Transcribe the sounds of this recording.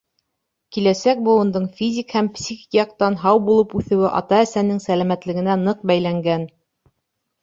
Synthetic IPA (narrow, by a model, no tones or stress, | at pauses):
kilæsæk̚bɤ̆lˠŭnd̪ɤɴfʲizʲikhæmpsʲixijɑq̚t̪ɑnɦɑwbulˠɤpʉθɘ̆wɘʔɑ̰t̪ɑæsænɘŋsælæmæt̪lɘ̆ɡɘ̆nænɤq̚bæjlæŋɡæn